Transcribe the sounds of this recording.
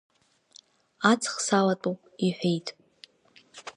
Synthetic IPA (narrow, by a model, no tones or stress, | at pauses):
at͡sʰʼχsalatʼupʼiħʷᶣejtʼ